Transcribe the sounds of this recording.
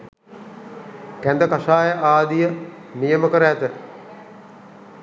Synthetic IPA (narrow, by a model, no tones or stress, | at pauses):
kænd̪əkaʃaːjəʔaːd̪ijə | nijəməkəɾəːt̪ə